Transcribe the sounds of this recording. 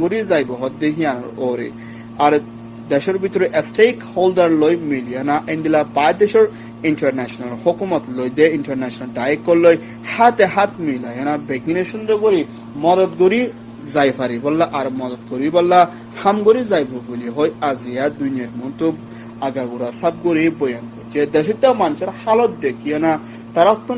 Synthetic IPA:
ɡoɾizajbɔɦɔt̪̚d̪eɦijanɔ̰ɾoɾḛ | aɾ | d̪ɛʃɔɾbit̪ɔɾiʔsʈejkholdaɾlojmilijanaʔend̪ilabajd̪ɛʃɔɾ | iɳʈaɾnɛʃɔnalhokumɔt̪lojd̪eiɳʈaɾnɛʃɔnalɖajekːɔlːoj | hat̪eɦat̪milajanabɛɡineʃɔnɾeɡoɾi | mɔd̪ɔt̪̚ɡoɾi | zajfʰaɾibɔlːaʔaɾmɔd̪ɔt̪̚ɡoɾibɔlːa | hamɡoɾizajpʰobuliɦojazijad̪unijaɾmɔnt̪ub̚ | aɡaɡuɾasab̚ɡoɾibɔjankot͡ʃed̪ɛʃ̬ɔt̪ːamanʃeɾhalɔt̪̚d̪ekʰijana | t̪aɾat̪ːu

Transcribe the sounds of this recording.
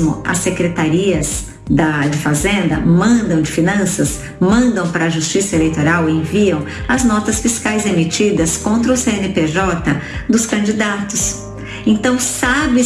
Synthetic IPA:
mʊ̰ɐ̰sːekɾet̪aɾiɐz | d̪ɐd͡ʒɪfazẽnd̪ɐ̰mɐ̃nd̪ɐ̃w̃d͡ʒɪfinɐ̃sɐs | mɐ̃nd̪ɐ̃w̃pɾɐːʒust͡ʃisɐelejt̪oɾawẽviɐ̃w̃ | ɐznɔt̪ɐsfiskajzemit͡ʃid̪ɐskõnt̪ɾɐʊseenɪpeʒɔt̪ɐd̪ʊskɐ̃nd͡ʒid̪at̪ʊs | ẽt̪ɐ̃w̃sabɪ

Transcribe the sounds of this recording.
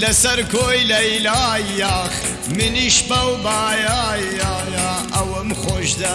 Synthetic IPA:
lɐsɐɾkʰoːjlɐjlaːjːaːx | mɨniʃbɐwbaːjaːjaːjaː | ʔɐwəmxoʒd̪ɐ

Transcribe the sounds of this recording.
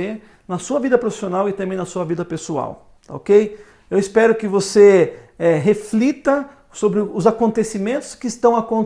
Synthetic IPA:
e | nɐsuɐvid̪ɐpɾofi̥sionawɪt̪ɐ̃mbẽj̃nɐsuɐvid̪ɐpesua̰w | t̪a̰o̰kej | ewɪspɛɾʊkɪvoseɛɦeflit̪ɐ | sobɾɪʊzakõnt̪esimẽnt̪ʊ̥skɪːst̪ɐ̃w̃akõ

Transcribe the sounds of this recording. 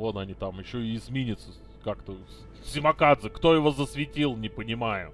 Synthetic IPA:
vo̞t̪ɐnʲit̪amjɪɕːoɪːzmʲinʲɪt̪sə | kakt̪ə | sʲɪmɐkad̪zɨkt̪o̞jɪvo̞zəsvʲɪtʲilˠnʲɪpənʲɪmajʊ̰

